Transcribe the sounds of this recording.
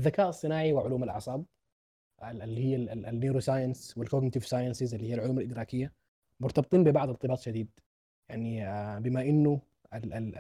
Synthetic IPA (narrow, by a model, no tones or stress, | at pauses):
ʔaðːakaːʔɑsˤːɨnaːʕiwɪʕʊluːmalʔɑ̰ʕsˤɑːb̚ | ʔalːihɪijːanːeːɾusaːjanswɪlkoɡnɪt̪ɪvsaːjansɪzɪlːihijːalʕʊluːmalʔɪd̪ɾɑːkɪjːa | mʊɾt̪ɑbɨt̪ˤiːnbɪbɑʕd̪ˤɑɾt̪ˤːɨbɑːt̪ˤʃad̪iːd̪̚ | jaʕniabɪmaʔɪnːu | ala